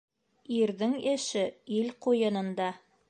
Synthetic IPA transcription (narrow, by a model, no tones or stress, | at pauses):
iɾðɘŋɘ̆ʃɘilqujɤ̆nɤ̆nd̪ɑ